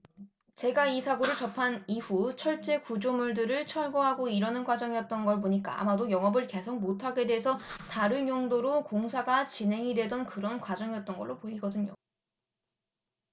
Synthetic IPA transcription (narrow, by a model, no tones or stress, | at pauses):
t͡ɕe̞ɡaisʰaɡoɾɯɭt͡ɕʌpʰaniɸut͡ɕʰʌɭt͡ɕ͈e̞kud͡ʑomuɭdɯɾɯɭt͡ɕʰʌɭɡoɦaɡoiɾʌnɯnɡwad͡ʑʌŋijʌt̚t͈ʌnɡʌɭboɲik͈a̰a̰madojʌŋʌbɯɭke̞sʰok̚motʰaɡe̞dwe̞ɦesʰʌtaɾɯnjoŋdoɾokoŋsʰaɡat͡ɕinɦe̞ŋidwe̞dʌnkɯɾʌnkwad͡ʑʌŋijʌt̚t͈ʌnɡʌɭːopoiɡʌdɯɲo̰